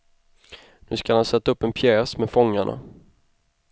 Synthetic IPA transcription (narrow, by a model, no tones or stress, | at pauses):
nʉ̟ːskalhansɛt̪ːaɵpːɛnpʰjɛːsmɛfɔŋːaɳa̰